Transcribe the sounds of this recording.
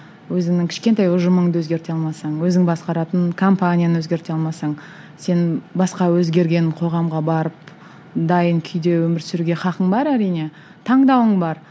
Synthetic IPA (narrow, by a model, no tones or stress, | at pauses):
wɵzɪŋnɪŋkʲʰɪ̥ʃkʲe̞nt̪ɑjʊʒəməɴd̪əwɵzɡʲe̞ɾt̪e̞ɑlˠmɑsɑɴwɵzɪŋbɑsqɑɾɑt̪ənkʰo̞mpanʲijanəwɵzɡʲe̞ɾt̪eɑlˠmɑsɑɴ | se̞nbɑsqɑwɵzɡʲe̞ɾɡʲe̞nqʰo̞ʁɑmʁɑbɑɾəp | d̪ɑjəŋkʲʰʏjd̪e̞wɵmɪɾsʏɾuɡʲe̞χɑqəɴbɑɾæɾijne̞ | t̪ʰɑɴd̪ɑwəɴbɑɾ